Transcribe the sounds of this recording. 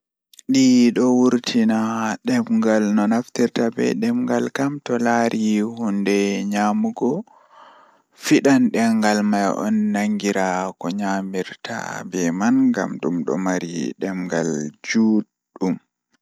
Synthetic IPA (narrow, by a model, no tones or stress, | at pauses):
ɗiɗɔwuɾtʰinaɗɛmɡalnɔnaftiɾtabɛ̰ɗɛmŋɡalkamtɔlaɾʔihundɛɲamuɡɔ | fiɗanɗɛŋɡalmajʔɔ̰nːaŋɡiɾakɔɲamiɾtʰa̰bɛmanɡa̰mɗumɗɔ̰maɾḭɗɛmɡa̰ld͡ʒuːɗ | um